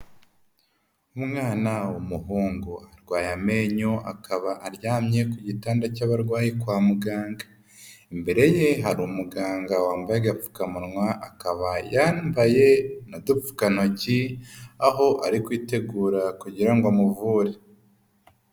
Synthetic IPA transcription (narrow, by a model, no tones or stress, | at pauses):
umŋaːnawumuɦuːŋɡuaɾɡwaːjameɲoʔa̰kʰaβaʔaɾjaːmɲe̞kuɟitaːndacaβaɾɡwaːjekwaːmuɡaːŋɡḁ | embe̞ɾe̞je̞ɦaɾumuɡaːŋɡawaːmbajeɡap͡fu̥kamunŋwaʔakaβajaːmbaje̞nodup͡fu̥kano̞ciaɦo̞ʔaɾikwiːte̞ɡuːɾakuɟiɾaŋɡamuvuːɾe